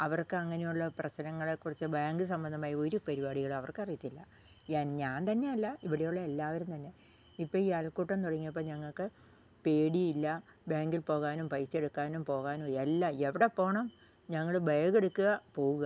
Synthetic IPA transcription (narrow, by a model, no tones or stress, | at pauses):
ɐʋɐrkɨɐŋːɐnejuɭːɐprɐɕnɐŋːɐɭekːurit͡ɕːɨbaːŋɡɨs̬ɐmbɐnd̪ɐmaːjɐo̞ɾupɐɾibaːɽiɣɐɭɐʋɐrkɨɐrijit̪ːilːɐ | ɲaːnɲaːnt̪ɐnːe̞jɐlːɐiʋiɽejuɭːɐe̞lːaːʋɐɾumt̪ɐnːe̞ | ipːɐialkuːʈːɐnt̪oɽɐŋːijɐp̬ːoːɲɐŋːɐɭkɨ | pe̞ːɽijilːɐbaːŋɡilpo̞ːɣaːnumpɐjse̞ɽukːaːnumpo̞ːɣaːnuːelːɐeʋiɽepːo̞ːɳɐm | ɲɐŋːɐɭbʱɐjɐɣe̞ɽukːuɣɐpo̞ːɣuɣɐ